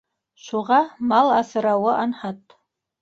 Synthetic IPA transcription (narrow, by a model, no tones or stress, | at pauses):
ʃʷʊʁɑmalasɨɾawaʔanħatʼ